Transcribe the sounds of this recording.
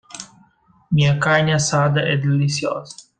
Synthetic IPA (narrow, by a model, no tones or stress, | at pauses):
mĩɐkaɲɐsad̪ɐʔɛd̪elisio̰zɐ